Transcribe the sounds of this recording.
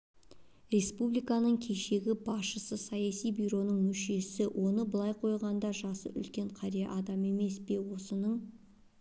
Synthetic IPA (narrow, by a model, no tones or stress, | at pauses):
ɾe̞spublijkɑnəɴkʲʰe̞ʃe̞ɡʲɪbɑsʃəsəsɑjɑsijbyjɾo̞nəɴmʏʃe̞sɪwʔo̞nəbəlˠɑjqʰo̞jʁɑnd̪ɑʒɑsə̰ʏ̰lkʲe̞ɴqʰɑɾijeʔɑd̪ɑme̞me̞spe̞wo̞sənəɴ